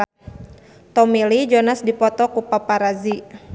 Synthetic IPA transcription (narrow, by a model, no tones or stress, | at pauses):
t̪ɔmilid͡ʒɔnasdipɔt̪ɔkupapaɾazi